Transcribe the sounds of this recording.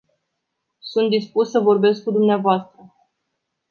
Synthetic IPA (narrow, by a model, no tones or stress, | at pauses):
sunt̪̚d̪ispussəvo̞rbe̞sk̚kud̪umneavoast̪ɾə